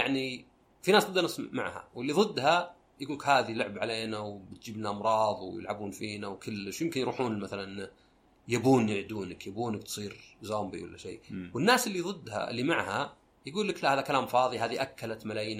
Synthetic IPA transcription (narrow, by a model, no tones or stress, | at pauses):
jaʕni | finaːsɑd̪ːanɪsma̰ʕha̰wɪlːiðˤɨd̪ːha | jɡuːlkhaːðilʊʕbʕaleːnawbɪt̪̚d͡ʒɪbnaʔɑmɾˤɑːðˤwjɪ̰lʕabuːnfiːnawkɪlːɪʃjɪmkɪnjɾuːħuːnmaθalan | jabuːnjɪʕd̪uːnakjabuːnak̚t̪sˤiːɾzoːmbḭwɪlːa̰ʃḛːwɪnːaːsɪlːiðˤɨd̪ːha̰ʔɪ̰lːimaʕha | jaɡuːlːɪklaʔhaːðakalaːmfɑːðˤiɦaːðiʔakːalat̪malaːjiːna